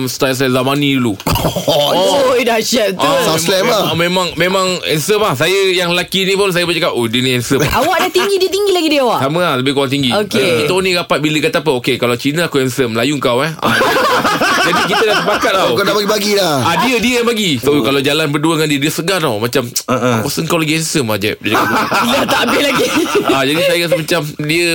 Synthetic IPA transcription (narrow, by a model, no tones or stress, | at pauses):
mst̪als̬ajzamanĩulu | oojdaʃɛt̪t̪asaslɛmamẽmãŋmemãŋɛnsəmahsajəjaŋlakinipʊns̬ajəbat͡ʃəkawʔodiəniɛnsəmawaʔdat̪iŋɡidiət̪̬iŋɡilaɡidiawaʔsamə̃aləbɪhkoɾaŋt̪iŋɡiokeit̪onĩɡapat̪̚biləkat̪apəokekalawt͡ʃinãakuɛnsəmlajuŋkawɛha̰ | d͡ʒadik̬it̪ədasəpakat̪̚awkadapaɡibaɡilahadiədiəjapaɡisokalawd͡ʒalanbərduəŋandiədiəsəɡanawmãt͡ʃamakusəəŋkawlaɡiɛnsəmad͡ʒɛ̰p̚diaadat̪aʔbɪlaɡiad͡ʒadisajəsmat͡ʃamdiə